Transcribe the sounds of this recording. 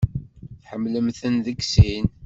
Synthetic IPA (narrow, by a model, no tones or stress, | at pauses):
θħəmːləmθənðəɡsin